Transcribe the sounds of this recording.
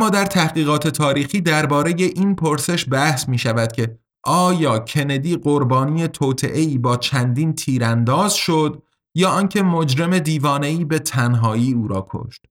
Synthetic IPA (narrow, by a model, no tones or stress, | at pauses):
mːɒːd̪æɾt̪ʰæhɣiːɣɒːt̪ʰe̞t̪ʰɒːɾiːxiːd̪æɾbɒːɾe̞je̞ʔiːnpʰoɾse̞ʃbæhsmiːʃævæd̪̥cʲʰe̞ | ʔɒːjɒːcʰe̞ne̞d̪iːɢoɾbɒːnije̞t̪ʰoːt̪ʰḛʔe̞iːbɒːt͡ʃʰænd̪iːnt̪ʰiːɾænd̪ɒːzʃod̪ | jɒːɒːncʰe̞mod͡ʒɾe̞me̞d̪iːvɒːne̞iːbe̞t̪ʰænɦɒːjiːuːɾɒːkʰo̰ʃt̪